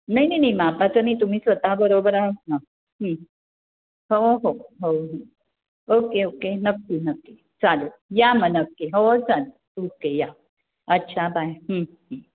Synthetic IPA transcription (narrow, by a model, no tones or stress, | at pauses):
nainajnaimapat͡sənit̪um̤iːsʋət̪abəɾobɾanə | ɦə | ɦoɦoɦoɦə̃ | okeokenəkːinəkːi | t͡salojamənəkːeɦot͡salo | okeja | ətːɕʰabajɦə | ɦə̃